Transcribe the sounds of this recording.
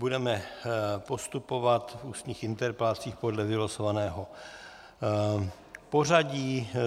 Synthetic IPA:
budɛmɛpo̞st̪upo̞vat̪fuːst̪ɲiːxɪnt̪ɛɾplat͡siːxpo̞dlɛvɪlosovanɛːɦo | po̞raɟiː

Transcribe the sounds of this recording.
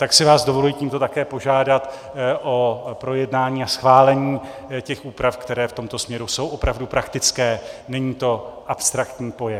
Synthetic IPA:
t̪aksɪvaːzdovolujiːciːmt̪o̞t̪akɛːpo̞ʒaːdat̪ | ʔopɾo̞jɛdnaːɲiːasxvaːlɛɲiː | cɛxʔuːpɾafkt̪ɛɾɛːft̪o̞mt̪o̞smɲɛɾuso̞wʔo̞pɾavdupɾakt̪ɪt͡skɛːnɛɲiːt̪o̞ʔapst̪ɾakt̪ɲiːpo̞jɛ

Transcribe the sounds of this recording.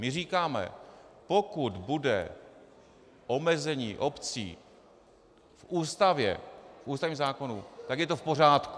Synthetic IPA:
mɪriːkaːmɛ̰po̞kud̪budɛ̰ | ʔo̞mɛzɛɲiːʔo̞pt͡sḭː | fʔuːst̪avjɛ̰fʔuːst̪avɲimzaːko̞nṵt̪aɡjɛt̪ofpo̞raːt̪ku

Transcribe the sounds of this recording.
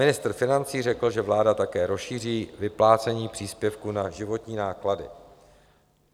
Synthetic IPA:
mɪnɪst̪r̩fɪnant͡siːrɛkl̩ʒɛvlaːdat̪akɛːɾo̞sʃiːr̝iːvɪplaːt͡sɛɲiːpr̝̥iːspjɛfkunaʒɪvo̞t̪ɲiːnaːkladɪ̰

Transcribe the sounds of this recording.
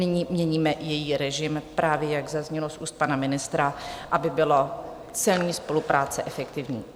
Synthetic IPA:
nɪɲiːmɲɛɲiːmɛʔjɛjiːɾɛʒɪmpɾʔaːvjɛjaɡzazɲɛlosʔuːst̪̚panamɪnɪst̪ɾaʔabɪbɪlo | t͡sɪlɲiːspo̞lupɾʔaːt͡sɛʔɛfɛkt̪ɪvɲḭː

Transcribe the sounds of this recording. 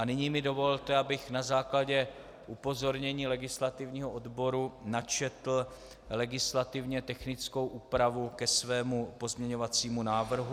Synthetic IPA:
anɪɲiːmɪdo̞vollt̪ɛʔabɪxnazaːklaɟɛ | ʔupo̞zo̞ɾɲɛɲiːlɛɡɪslat̪ɪvɲiːɦoʔodbo̞ɾunat͡ʃɛt̪l̩ | lɛɡɪslat̪ɪvɲɛt̪ɛxnɪt͡sko̞wʔuːpɾavukɛsvɛːmupo̞zmɲɛɲo̞vat͡siːmunaːvr̩ɦu

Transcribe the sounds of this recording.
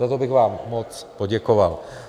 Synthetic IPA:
at̪obɪɣvaːmːot͡spoɟɛkoval

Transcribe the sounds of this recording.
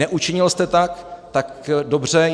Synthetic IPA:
ɛʔut͡ʃɪɲɪlst̪ɛt̪akt̪akdobrɛ

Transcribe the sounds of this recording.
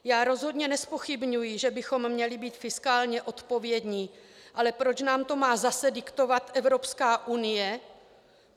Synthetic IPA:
jaːɾo̞zɦo̞d̪ɲɛnɛspo̞xɪbɲujɪʒɛbɪxo̞mːɲɛlɪbiːt̪fɪskaːlɲɛʔo̞t̪po̞vjɛd̪ɲiːʔalɛpɾo̞t͡ʃnaːmt̪o̞maːzasɛdɪkt̪o̞vat̪ʔɛvɾo̞pskaːʔunɪjɛ

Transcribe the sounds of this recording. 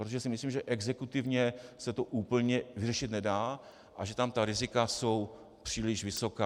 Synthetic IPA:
ɾot̪oʒɛsɪmɪsliːmʒɛʔɛɡzɛkut̪ɪvɲɛsɛt̪o̞ʔuːpl̩ɲɛvɪrɛʃɪt̪nɛdaː | ʔaʒɛt̪amt̪aɾɪzɪkaso̞w | pr̝̥iːlɪʃvɪso̞kaː

